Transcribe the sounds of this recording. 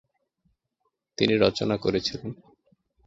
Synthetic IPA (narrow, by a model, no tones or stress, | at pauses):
t̪iniɾɔt͡ɕonakoɾet͡ɕʰilen